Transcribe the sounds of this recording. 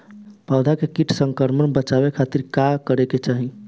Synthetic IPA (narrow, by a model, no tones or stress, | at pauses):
pawd̪ʱakekiʈʰsəŋkəɾmənbət͡ʃaβekʰat̪iɾkakəɾeket͡ʃaɦi